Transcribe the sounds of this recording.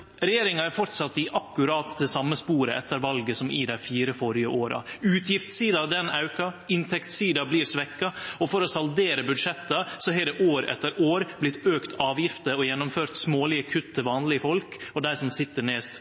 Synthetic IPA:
ɾɛjeːɾɪŋɑæɾfɔɾt̪sɑt̪ːɪʔɑkːʉɾɑːt̪d̪ɛsɑmːəspuːɾəʔɛt̪ːəɾʋɑlɡəsɔmɪd̪æɪfiːɾəfɔɾɪəʔoːɾɑ̰ʉːt̪ʰjɪft̪siːd̪ɑd̪ɛnɑʉkɑɪnt̪ʰɛkt̪siːd̪ɑbliːɾsʋɛkːɑɔfɔɾɔsɑld̪eːɾəbʉd̪ʂɛt̪ːəsɔɦɛd̪ɛʔoːɾɛ̰t̪ːəɾoːɾblɪt̪ːøːkt̪ʰɑːʋjɪft̪əɔjɛnːɔmføːɾt̪smoːlɪəkʰʉt̪ːəʋɑːnlɪəfɔlkɔd̪æɪsɔmsɪt̪ːəɳɛːst̪

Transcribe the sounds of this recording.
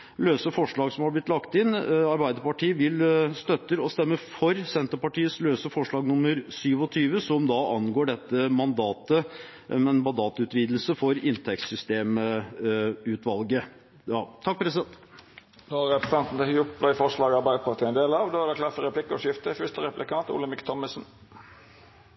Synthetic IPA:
løːsəfɔʂɭɑːɡsɔmhɑblɪt̪lɑkt̪ɪnɑɾbæɪd̪əɾpɑʈʰiːəʋɪlst̪œt̪ːəɾɔst̪ɛmːəfɔɾsɛnt̪əɾpɑʈiːəsløːsəfɔʂɭɑːɡnʊmːəɾsyːʋɔt̪ʰyːʋəsɔmd̪ɑɑnɡoːɖɛt̪ːəmɑnd̪ɑːt̪ə | ɛnmɑnd̪ɑːt̪əʉːt̪ʋiːd̪lsəfɔɾɪnt̪ʰɛkt̪sʏst̪eːm | ʉːt̪ʰʋɑlɡə | ɑːt̪ʰɑk̚ːpɾɛsɪɛnt̪ | d̪oɑɾɛpɾəst̪ɛnt̪n̩d̪ɛhjʊplæɪfɔʂlɑːɡɑɾbæɪd̪əpʰɑʈiːɛɪnd̪eːlɑʋd̪oːæɖɛklɑfəɾɛpʰlɪkːəɔʂɪft̪əfʏʂt̪əɾɛplɪkɑːt̪ʊ̰lːəmɪkt̪ʰɔmːəsn̩

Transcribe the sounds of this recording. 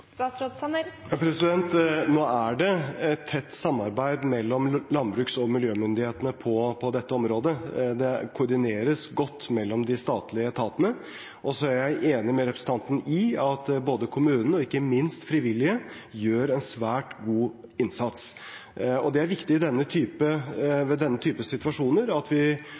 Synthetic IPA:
ɑod̪sɑnjɑːpʰɾɛsɪd̪ɛnt̪noːæɖɛɛt̪ʰːɛt̪ːsɑmːɑɾbæɪd̪mɛlːɔmlɑnbɾʉːksɔmɪljøːmʏnd̪ɪheːt̪ənəpʰɔpʰɔd̪ɛt̪ːəɔmɾoːd̪əd̪ɛkʰʊɾɖ̪ɪneːɾəsɡɔt̪ːmɛlːɔmd̪ɪst̪ɑːt̪lɪət̪ʰɑːt̪ənə | ʔɔsɔæɾjæɪʔeːnɪmɛɾɛpɾəsn̩t̪ʰɑnt̪n̩ɪɑt̪boːd̪əkʰʊmʉːnn̩ɔɪkːəmɪnst̪fɾɪʋɪlːɪəjøːɾɛnsʋæːʈɡuː | ɪnsɑt̪s | ɔd̪ɛæɾʋɪkt̪ɪɪd̪ɛnːət̪ʰyːpəʋɛd̪ɛnːət̪ʰyːpəsɪt̪ʋɑʂuːnəɾɑt̪ʋɪ

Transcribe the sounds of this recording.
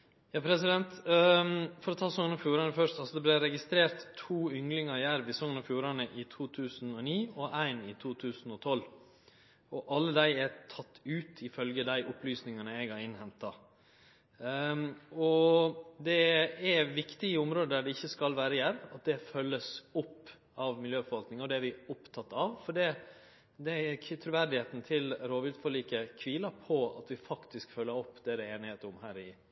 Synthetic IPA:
jɑːpʰɾɛsɪd̪ɛnt̪ | fɔɾɔt̪ʰɑːsɔŋənɑfjuːɾɑnəfœʂt̪ɑlsɔd̪ɛblɪɾɛɡɪst̪ɾeːɾt̪ʰːuːʏŋlɪŋɑjæɾʋɪsɔŋənɑfjuːɾɑnəʔɪt̪ʰuːt̪ʰʉːsn̩ɔniːɔʔæɪnɪt̪ʰuːt̪ʰʉːsn̩ɔt̪ʰɔlː | ɔʔɑlːəd̪æɪæɾt̪ʰɑt̪ːʉːt̪ʰɪfœlɡəd̪æɪʔʊplyːsnɪŋɑnəɛɡɑɾɪnːhɛnt̪ːɑ | ɔd̪ɛæʋɪkt̪ɪəʊmɾoːd̪əd̪æɖɛɪçːəskɑlʋæːɾəjæɾɑt̪̚d̪ɛfœlːəsʊpː | ɑʋmɪljøːfɔɾʋɑlk̪nɪŋɔd̪ɛæɾʋɪʊpt̪ʰɑt̪ːɑʋfɔɖɛ | d̪ɛt̪ʰɾʉʋæɾd̪ɪheːt̪n̩t̪ʰɪlɾoːʋʉːd̪fɔɭiːkəkʰʋiːlɑpʰɔɑ̰t̪ʋɪfɑkt̪ɪskfœlːəɾɔpːd̪ɛɾɛeːnɪheːt̪əʊmhæːɾɪ

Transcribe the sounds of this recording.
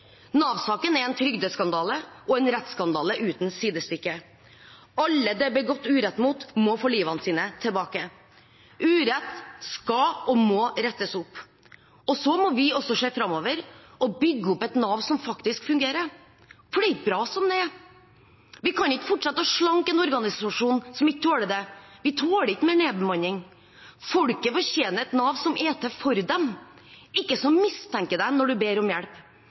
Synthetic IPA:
nɑːʋsɑːkənɛɾɛnt̪ʰɾʏɡd̪əskɑnd̪ɑːləɔɛnɾɛt̪ːskɑnd̪ɑːləʔʉːt̪n̩siːd̪əst̪ʏkːə | ɑlːəd̪ɛbɛɡɔt̪ːʉːɾɛt̪ːmuːt̪mɔfoːliːʋɑnəsiːnət̪ʰɪlbɑːkə | ʔʉːɾɛt̪ːskɑɔmɔɾɛt̪ːəsʊpː | ɔsɔmɔʋɪɔsɔʂeːfɾɑmːɔːʋəɾ | ɔbʏɡːəʊpɛt̪nɑːʋ̪sɔmfɑkt̪ɪskfʉŋɡeːɾəɾ | fɽɛɪt̪̚bɾɑːsɔmd̪ɛ | ʋɪkʰɑnɪkːə̥fɔʈʂɑt̪ːəʂɭɑŋkɛnɔɾɡɑnɪsɑʂuːnsɔmɪkːət̪ʰoːɽəd̪ɛʋɪt̪ʰoːlɪkːəmɛɳeːbəmɑnːɪŋ | fɔɽkəfɔçjeːnəɛt̪nɑːʋsɔmʔɛːt̪əfɔɾd̪ɛm | ɪkːəsɔmɪst̪ʰɛŋkəd̪æɪnɔɖʉbeːɾɔmjæɽp

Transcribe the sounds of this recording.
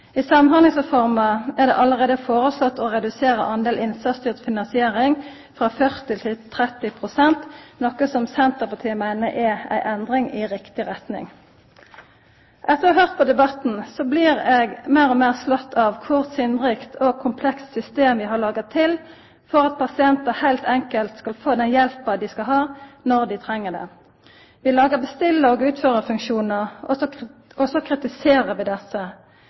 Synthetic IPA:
ɪsɑmnhɑnəŋsʁɛfɔʁmɑæʁd̪ɛ̰ʔɑləʁeːd̪əfoːʁəslɔt̪ːɔʁɛd̪ʉseːɾə̰ʔɑnd̪eːlʔɪnsɑst̪yːʁt̪fɪnɑnsɪeːʁɪŋ | fʁɑːfœʁt̪ɪt̪ʰɪt̪ʰʁɛt̪ːɪpʰʁʊsɛnt̪nɔkːəsɔmsɛnt̪əʁpɑt̪ʰiːəmæɪnəʔɛæ̰ɪʔɛnd̪ʁɪŋɪʁɪkt̪ɪʁɛt̪nɪ̰ŋ | ʔɛt̪ːəʁɑhøːʁt̪̚pʰɔd̪ɛbɑt̪n̩sɔblɪʁɛɡmæʁɔmeːʁslɔt̪ʰːɑʋkʰʊʁsɪnʁɪkt̪ʰɔɡkʰʊmpʰlɛkst̪sʏst̪eːmʋɪɦɑlɑːɡət̪ʰːɪl | fɔʁɑt̪̚pʰɑsɪɛnt̪əhæɪlt̪ʰɛŋkəlt̪skɑlfoːd̪ɛnjɛlpəd̪ɪskɑlɦɑːnɔʁd̪ɪt̪ʰʁɛŋːəɖ̪ɛ̰ | ʋɪlɑːɡəʁbəst̪ɪlːəɔːɡʉːt̪føːʁəfʉŋkʃuːnəʁɔɔɔsɔkʰʁɪt̪ɪseːʁəʋɪd̪ɛsə

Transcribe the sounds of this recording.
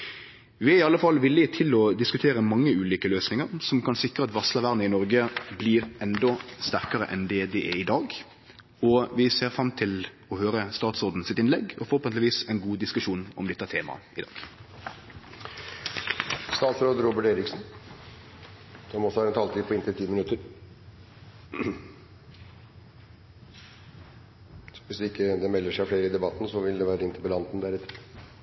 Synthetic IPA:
ʋɪæɪɑlːəfɑlʋɪlːɪt̪ʰɪlɔd̪ɪskʉt̪ʰeːɾəmɑŋːəʉːliːkəløːsnɪŋəɾsɔmkʰɑnsɪkɾəɑt̪ʋɑslɑʋæʁnəɪnɔɾɡəbliːɾʔɛnd̪ɔst̪æʁkəɾəʔɛnd̪ɛd̪ɛʔɛɪd̪ɑːɡ | ɔʋɪseːɾfɾɑmt̪ʰɪl | ɔhøːɾəst̪ɑːt̪sɔːd̪n̩sɪt̪ɪnlɛɡɔfɔɾʁɔpɛnlɪʋiːsɛɪnɡuːd̪ɪskʉʂuːnɔ̰md̪ɛt̪ːət̪ʰeːmɑ̰ʔɪd̪ɑ̰ːɡ̥ | st̪ɑːt̪sɾoːd̪ɾoːbəʈeːɾɪksn̩ | sɔmɔsɔhɑɾɛnt̪ʰɑːlt̪ʰiːpʰɔɪnt̪ət̪ʰiːmɪnʉt̪əɾ | ʋɪsd̪ɪkːəd̪ɛmɛlːəʂæɪfɽeːɾəɪd̪ɛbɑt̪n̩sɔʋɪld̪ɛʋæːɾəɪnt̪əpəlɑnt̪n̩d̪æɾɛt̪ːə

